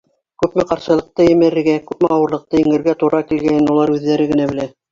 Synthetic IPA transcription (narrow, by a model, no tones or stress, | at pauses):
kʉpmɘqɑɾʃɤ̆lˠɤ̆q̚t̪ɤjɘ̆mɘ̆ɾɘ̆ɾɡækʉpmɘɑwɤ̆ɾlˠɤ̆q̚t̪ɤiŋɘ̆ɾɡæt̪uɾɑkilɡænɘnulˠɑɾʉðːæɾɘɡɘ̆næbɘ̆læ